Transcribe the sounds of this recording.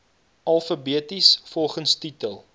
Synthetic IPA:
ʔɐlˠfəbiətisfɔlˠχənstitəlˠ

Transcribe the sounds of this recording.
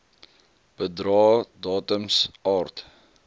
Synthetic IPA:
b̥ədɾɑːdɑːtəmsɑːrt

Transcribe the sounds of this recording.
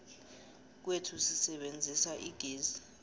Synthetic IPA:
k̬wetʰusisɛɓend͡zʱisaʔiɡ̥ʱiːzi

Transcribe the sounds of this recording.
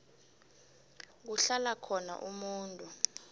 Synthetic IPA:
k̬uɬalakʰɔna̰ʔumuːntʼu

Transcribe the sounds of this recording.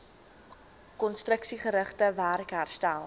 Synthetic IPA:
kɔnstrəksiχəɾəχtəværkɦærstælˠ

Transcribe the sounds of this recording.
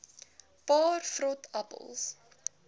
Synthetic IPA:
pɑːrfɾɔtʰapə̰lˠs

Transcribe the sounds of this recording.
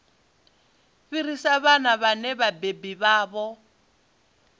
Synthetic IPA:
ɸirisaβanaβanɛβabebiβaːβɔ

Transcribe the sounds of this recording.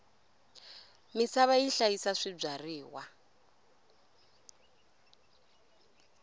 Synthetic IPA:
misaβaiɬajisaʂib͡ʐariːwa

